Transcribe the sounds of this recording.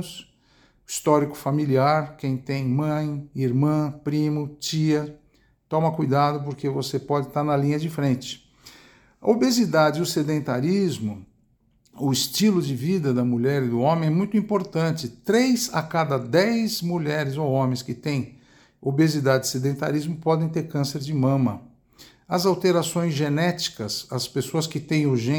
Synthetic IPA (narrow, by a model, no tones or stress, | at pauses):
ʊs | ist̪ɔɾikʊ̥familiaɾkẽj̃t̪ẽj̃mɐ̃j̃iɾmɐ̃pɾĩmʊt͡ʃiɐ | t̪ɔ̃mɐkujd̪ad̪ʊp̬ʊɾkevosepɔd͡ʒɪt̪aɾnɐlĩɲɐd͡ʒɪfɾẽnt͡ʃɪ̥ | ɐ̰obezid̪ad͡ʒɪʊsed̪ẽnt̪aɾizmʊ | ʊɪst͡ʃilʊd͡ʒɪvid̪ɐd̪ɐmuʎɛɾɪd̪ʊõmẽj̃ɛmũj̃t̪ʊĩpoɾt̪ɐ̃nt͡ʃɪt̪ɾejza̰kad̪ɐd̪ɛjzmuʎɛɾɪzowõmẽj̃skɪt̪ẽj̃ | obezid̪ad͡ʒɪɪsed̪ẽnt̪a̰ɾizmʊpɔd̪ẽj̃t̪eɾkɐ̃seɾd͡ʒɪmɐ̃mɐ | ɐzawt̪eɾasõj̃zʒenɛt͡ʃi̥kɐsɐspesoɐskɪt̪ẽj̃ʊʒẽ